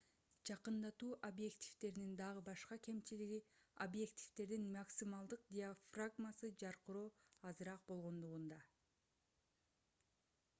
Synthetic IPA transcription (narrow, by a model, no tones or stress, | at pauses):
d͡ʒɑqɯnd̪ɑt̪uːʔobje̞ktʲi̥ft̪e̞ɾnind̪ɑʁɯbɑʃqɑke̞mt͡ʃiliɡiobje̞kt̪ʲʰi̥ft̪e̞ɾd̪inmaksʲimɑlˠd̪ɯq̚d̪ʲiafraɡmasɯd͡ʒɑɾqɯɾoːɑzɯɾɑq̚bo̞lˠʁo̞nd̪uʁund̪ɑ